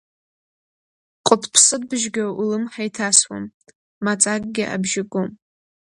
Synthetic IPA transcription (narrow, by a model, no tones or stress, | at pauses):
qʷʼʊpʰpʰsɨd̚bɨʒɡʲaulɨmħajtʰaswa̰mː | at͡sʼak̚ʼɡʲɪʔa̰bʒɪɡʷʼom